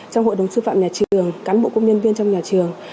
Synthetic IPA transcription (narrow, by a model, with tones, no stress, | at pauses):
t͡ɕɔ˧wŋ͡mɦo̰˧˨jɗə˨˩wŋ͡msɨ˧fa̰ː˧˨mɲaː˨˩t͡ɕɨ˨˩əŋkaː˨˦nbo̰˧˨kə˧ŋ͡mɲə˧nvi˧ənt͡ɕɔ˧wŋ͡mɲaː˨˩t͡ɕɨ˨˩əŋ